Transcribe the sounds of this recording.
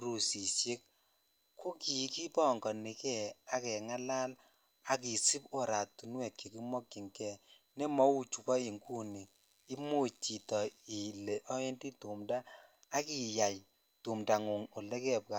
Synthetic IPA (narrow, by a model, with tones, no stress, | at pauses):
ɾu˨si˨sje˦k̚ | kʰo˦ki˨ki˦pɔ˦˨ŋɡɔ˨ni˨kɛ˦˨a˨kɛ˨ŋa˦la˦l | a˨k̬i˨si˦po˨ɾa˨tu˨nwɛ˨t̚ke˨ki˦mɔ˦kːi˨ŋkɛ˦˨ | ne˦mɔ˨˦u˦˨t͡ʃu˨kɔ˦i˨ŋɡu˦ni˨ | i˦mu˦t͡ʃi˨tɔ˨i˨le˨ʔɔ˦e˦nti˦tu˨mdaː˦ | ki˨ja˨j | tu˨mda˨ŋu˨ŋo˨lɛ˦kɛ˦˨p̚ka˨